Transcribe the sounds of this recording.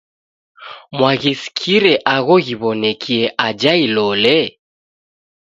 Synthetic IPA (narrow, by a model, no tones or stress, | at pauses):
mwaɣiskʰiɾɛʔaɣɔɣiβɔnɛkʰiɛʔad͡ʒailɔlɛ